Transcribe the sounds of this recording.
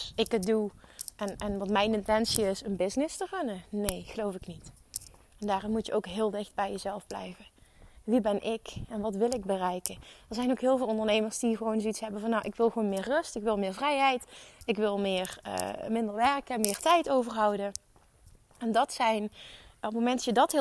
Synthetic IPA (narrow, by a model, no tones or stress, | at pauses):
ɪkət̚duʔɛnɛnʋɑtmɛjnɪntɛnsiɪsənbɪznɪstərɵnənejɣəlowfɪknit | ɛndaːrɪnmutjəʔowkɦɪːlˠdɪxd̚bɛjəzɛlˠvblɛ̰jvəʋibɛnʔɪkɛnʋɑtʋɪlˠɪɡ̚bərɛjkəɛɹzɛjnowkɦɪːlˠvɪːlˠɔndərnejməɹsd̥iɣəʋownzoitsɦɛbəvɑnːawʔɪkʋɪlˠxʋoːnmɪːrːɵstɪkʋɪlˠmɪːɹvrɛjɦɛjtɪkʋɪlˠmɪːrə̰mɪndəɹʋɛɹkəmɪːɹtɛjtowvərɦɑwdə | ɛndɑtsɛjnɔpmowmɛndɑjədɑtɦ